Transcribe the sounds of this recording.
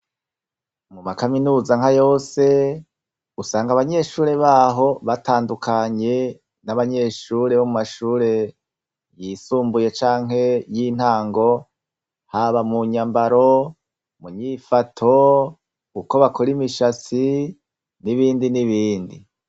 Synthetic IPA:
mumakaminuːzaŋ̥ajo̞ːse̞ | usaːŋɡaβaɲe̞ʃuːɾe̞βaːɦo̞βataːndukʰaɲe̞ | naβaɲe̞ʃuːɾe̞βomumaʃuːɾe̞ | jisuːmbuje̞t͡ʃaːŋ̥ɦe̞jin̥haːŋɡo̞ | haβamuɲambaɾo̞ | muɲifatʰo̞ | uko̞βakʰoɾimiʃat͡si | niβiːndiniβiːndḭ

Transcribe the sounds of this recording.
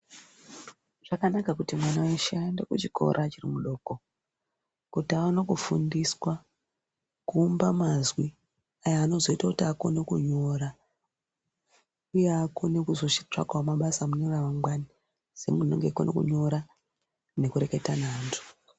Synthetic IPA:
ʐ̥akanakakutimwanaweʃandekut͡ʃikʰo̞̰ɾʔat͡ʃirimuɗo̞ːko̞ | kutaʋano̞kufundiswa | kuːmbamazwi | ajaːno̞zo̞itakutiako̞ne̞kuɲo̞ɾa | ujeakone̞kuzo̞ʃi̥ta̰kwamaɓasamuneraʋaŋɡwani | z̥e̞̰muno̰ŋɡekwonʔo̰kṵɲo̞ɾa | ne̞kuɾe̞ke̞tanaːntʰu̥

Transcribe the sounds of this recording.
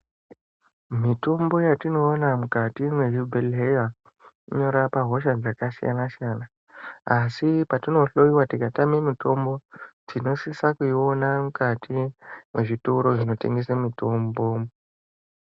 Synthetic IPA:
mito̞mbo̞jatino̞ːnamukatimwe̞ʐibʱelɦeja | iɲo̞ɾapaɦo̞ʃad͡zakasija̰nasijana | asipatino̞ɬo̞iwatikatamemito̞mbo̞d͡zino̞sisakuio̞namukatʰimwe̞ʐitoɾo̞ʐino̞te̞̰ŋɡe̞samito̞mbo̞

